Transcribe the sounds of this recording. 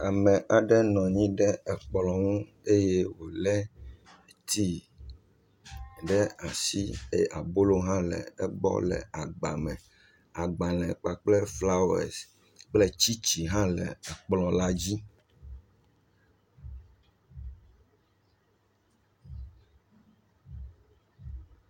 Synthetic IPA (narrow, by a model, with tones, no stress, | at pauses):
a˨mɛ̃˨ʔa˨ɖɛ˦nɔ̃˨ɲĩ˦ɖɛ˦ɛ˨k͡plɔ̃˨ŋũ˦ | e˦je˦wo˨lɛ˦˨ | t̪ʰi˦ | ɖɛ˦a˨si˦e˦˨ʔa˨bo˦lo˦ɦã˦lɛ̰˨ɛ˦bɔ̰˦lɛ̰˨a˨ɡ͡ba˨mɛ̃˨ | a˨ɡ͡ba˨lɛ̃˨k͡pa˨k͡ple˦fla˦o˦ɛ̰˨s | k͡ple˦t͡ɕi˦t͡ɕi˨ɦã˦lɛ˨a˨k͡plɔ̃˨la˦d͡ʑi˦